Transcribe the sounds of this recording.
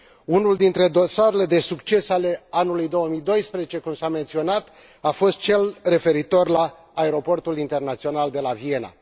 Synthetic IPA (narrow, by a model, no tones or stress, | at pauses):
unuld̪int̪ɾe̞d̪o̞saɾele̞d̪e̞sukt͡ʃe̞sale̞anulujd̪o̞wəmijd̪o̞jspɾezet͡ʃe̞kumsame̞nt̪sio̞nat̪ | afo̞st̪̚t͡ʃe̞lre̞fe̞ɾit̪o̞rlaː | e̞ɾo̞po̞rt̪ulint̪ernat̪sio̞nald̪e̞lavie̞na̰